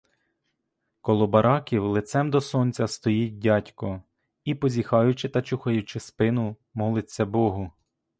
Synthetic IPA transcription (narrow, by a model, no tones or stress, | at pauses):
kɔlˠɔbɐɾɑkʲiwlˠɪt̪sɛmd̪ɔsɔnʲt͡sʲɐst̪ɔjit̚ʲdʲɑtʲkɔ | ipɔzʲixɑjʊt͡ʃɪt̪ɐt͡ʃuxɐjʊt͡ʃɪspɪnʊ | mɔlˠɪt͡sʲːɐbɔɦʊ